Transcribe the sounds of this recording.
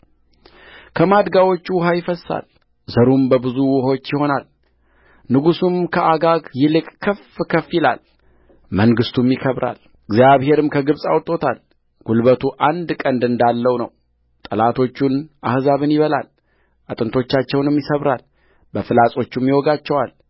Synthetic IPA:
kʰəmad̪ɡawo̞t͡ʃːuwʊɦajɪfəsːa̰l | zəɾumbəbɨzuwʊho̞t͡ʃːjɪho̞nal | nɨɡusumkʰəʔaɡaɡjɪlɨkʼkʰːəfkʰəfjɪla̰l | məŋɡɨst̪ʰumjɪkʰəβɾa̰l | ɨɡzjaβhe̞ɾɨmkʰəɡɨβsʼawt̪ʼːo̞t̪ʰal | ɡ̥ulbət̪ʰuʔand̪kʼənd̪ɨnd̪alːəwnəw | t̪ʼəlat̪ʰo̞t͡ʃːunʔahzaβɨnjɪβəla̰l | ʔat̪ʼɨnt̪ʰo̞t͡ʃːat͡ʃːɛwnɨmjɪsəβɾal | bəfɨlasʼo̞t͡ʃːumːiwoɡat͡ʃːɛwal

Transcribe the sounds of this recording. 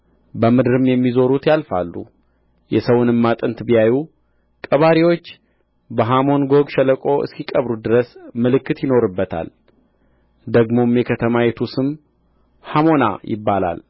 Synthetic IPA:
bəmɨd̪ɨɾɨmjɛmːizo̞ɾut̪jalfa̰lːṵ | jɛsəwʊnɨmːat̪ʼɨnt̪bijaju | kʼəβaɾiwo̞t͡ʃː | bəɦamo̞nɡo̞ɡʃɛləkʼo̞ʔɨ̰skikʼəβɾud̪ɨɾəsmɨlɨkːɨt̪jɪno̞ɾɨbːət̪ʰa̰l | d̪əɡmo̞mjɛkʰət̪ʰəmajɛt̪ʰusɨm | hamo̞na̰jɪ̰bːala̰l

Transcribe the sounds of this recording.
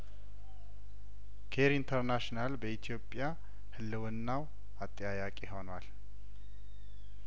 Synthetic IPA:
kʰeɾint̪ʰəɾnaʃnalbəit̪ʰijo̞pʼːja | hɨlːɨwɨnːaw | at̪ʼːijajakʼeɦo̞nwal

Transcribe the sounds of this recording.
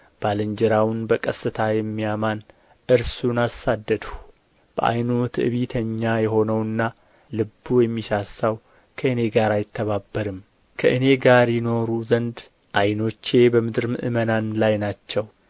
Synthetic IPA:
b̥alɨɲd͡ʒɛɾawʊnbəkʼəsɨt̪ʰajɛmːijaman | ʔɨɾsunasːad̪ːəd̪hu̥ | b̥ə̰ʔa̰jnot̪ʰɨʔɨ̰βit̪ʰəɲːajɛɦo̞nəwɨnːa | lɨbːujɛmːiʃasːaw | kʰəɨne̞ɡaɾajɪt̪ʰːəβabːəɾɨm | kʰəʔɨne̞ɡaɾjɪno̞ɾuzənd̪ | ʔajno̞t͡ʃːe̞bəmɨd̪ɾmɨ̰ʔɨmənanlajnat͡ʃːɛw

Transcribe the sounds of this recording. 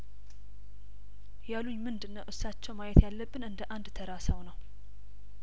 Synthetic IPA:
jaluɲmɨnd̪ɨnːəwʔɨsːat͡ʃːɛwmajɛt̪jalːəbːɨnɨnd̪əʔand̪t̪ʰəɾasəwnəw

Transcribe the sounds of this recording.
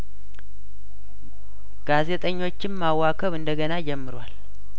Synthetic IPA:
ɡ̥aze̞t̪ʼəɲːo̞t͡ʃːɪmmawːakʰəβɨnd̪əɡənad͡ʒɛmːɨɾwal

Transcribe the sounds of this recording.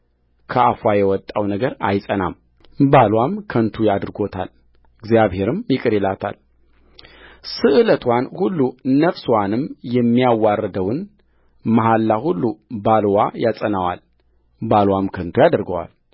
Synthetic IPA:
kʰəʔafwajɛwɔt̪ʼːawnəɡəɾa̰jsʼəna̰m | balwamkʰənt̪ʰujad̪ɨɾɡo̞t̪ʰa̰l | ɨɡzjaβhe̞ɾɨmjɪkʼɨɾelat̪ʰa̰l | sɨʔɨlət̪ʰwanhulːuːəfswanɨmjɛmːijawːarːəd̪əwɨn | maɦalːahulːubalwajasʼənawa̰l | balwamkʰənt̪ʰujad̪ɾɡəwa̰l

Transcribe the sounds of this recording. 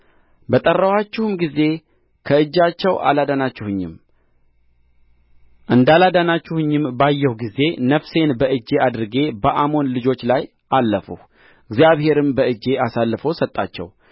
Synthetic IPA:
bət̪ʼərːəwat͡ʃːɪhumɡize̞ | kʰəɨd͡ʒːat͡ʃːɛwʔa̰lad̪anat͡ʃːɪhɨɲːɪ̰m | ʔɨnd̪alad̪anat͡ʃːɪhɨɲːɪmbajːɛhuɡize̞nəfse̞nbəɨd͡ʒːe̞ʔad̪ɨɾɨɡe̞bəʔamo̞nlɨd͡ʒo̞t͡ʃːlaj | ʔalːəfṵh | ɨɡzjaβhe̞ɾɨmbəɨd͡ʒe̞ʔasalːɨfo̞wsət̪ʼːa̰t͡ʃːɛ̰w

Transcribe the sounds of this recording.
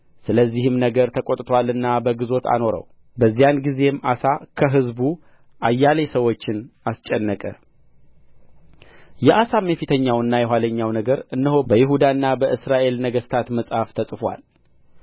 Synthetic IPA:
sɨləzːihɨmnəɡəɾt̪ʰəkʼot̪ʼt̪ʰwalɨnːabəɡɨzo̞t̪ʰa̰no̞ɾə̰w | bəzːijanɡize̞mʔa̰sakʰəɦɨzbu | ʔajːale̞səwo̞t͡ʃːɪnast͡ʃʼɛnːəkʼə̰ | jɛʔasamːefit̪ʰəɲːawɨnːajɛɦʷwaləɲːawnəɡəɾɨnːɨɦo̞bəjɪɦud̪anːabəʔɨsɾaʔe̞lnəɡəst̪ʰat̪məsʼhaft̪ʰəsʼfwa̰l

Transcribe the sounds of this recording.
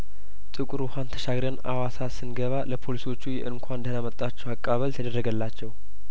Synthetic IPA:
t̪ʼɨkʼɾuhant̪ʰə̥ʃaɡɾjanawasasɨnɡəβaləpʰo̞liswo̞t͡ʃːujɛʔɨnkʷʰand̪əhnamət̪ʼːat͡ʃːɛwakʼːaβəlt̪ʰəd̪ərːəɡəlːat͡ʃːɛw

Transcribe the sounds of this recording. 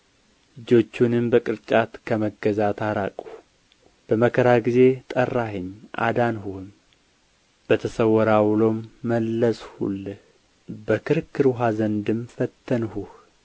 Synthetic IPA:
ɨd͡ʒo̞t͡ʃːunɨmbəkʼɨɾt͡ʃʼat̪kʰəməɡːəzat̪ʰaɾakʼuh | b̥əməkʰəɾaɡize̞t̪ʼərːaɦɨɲːʔa̰d̪anɦuhm | b̥ət̪ʰəsəwɔɾawlomːəlːəshṵlː | bəkʰɨɾɨkːɨɾɦazənd̪ɨmfət̪ʰːənhuh

